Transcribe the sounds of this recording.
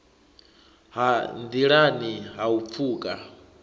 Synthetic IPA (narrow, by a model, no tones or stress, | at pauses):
handiɺaniɦaup̪fʰuːkʼa